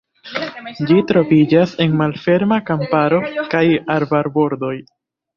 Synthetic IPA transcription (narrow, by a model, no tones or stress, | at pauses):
d͡ʒitɾo̞vid͡ʒase̞nmalfe̞ɾmakampaɾo̞kajaɾbaɾbo̞ɾdo̞j